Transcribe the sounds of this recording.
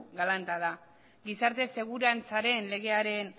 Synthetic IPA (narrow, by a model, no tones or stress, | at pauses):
ɣalant̪aða | ɡisaɾt̪e̞se̞ɣuɾant͡saɾe̞nle̞ɣ̞e̞aɾe̞n